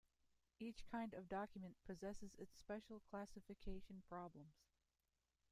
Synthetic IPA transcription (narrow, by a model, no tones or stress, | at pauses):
it͡ʃkʰãɪ̃ndʌvdɑkjmɨ̃npʰɨzɛsɨzɨtspɛʃl̩ˠkʰl̥æsɨfɨkʰeɪʃɨ̃n̩pʰɹ̥ɑblə̃mz̥